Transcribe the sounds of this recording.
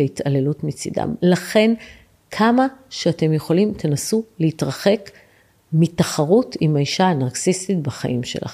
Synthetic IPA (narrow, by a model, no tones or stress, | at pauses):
eitale̞lutmit͡sida̰mlaχe̞n | kʰamaʃeate̞mjeχo̞limt̪ʰenasuleitʁaχe̞k | mitaχaʁutimaiʃaːnaʁksisit̚baχa̰ʔimʃe̞̰lʔa̰